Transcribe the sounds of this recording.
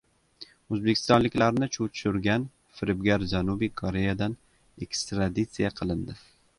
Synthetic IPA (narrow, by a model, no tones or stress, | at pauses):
ɵzbekʲʰɪ̥st̪ɒnlɪkʲlaɾnɪt͡ʃʰut̪ʰʃʊɾɡʲan | fɪɾɪbɡʲaɾd͡ʒanubikʰoɾe̞jad̪an | ekst̪ɾad̪it̪sɨjaqʰɨlˠɪnd̪ɪ